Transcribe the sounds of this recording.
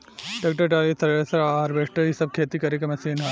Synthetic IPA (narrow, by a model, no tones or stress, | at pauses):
ʈɐːk̚ʈɐɾʈaːlit̪ʰɐɾʋeːsɐɾaːɾʋeːʂʈɐisɐb̚kʰeːt̪ikɐɾek̬ɐmɐsiːnɦɐ